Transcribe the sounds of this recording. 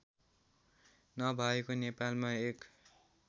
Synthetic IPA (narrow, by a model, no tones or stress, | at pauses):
nʌbʱaekonepalmaek